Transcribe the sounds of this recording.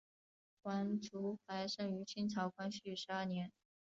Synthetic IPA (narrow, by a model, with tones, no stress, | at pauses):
kwa˧˥nʈ͡ʂu˧˥xa˧˥ɪʂɤ˥˩y˧˥t͡ɕʰi˥nt͡sʰɑ˧˥ʊkʰwa˥nɕy˥˩ʂɻ̩˧˥ɐ˞˥˩njɛ˧˥n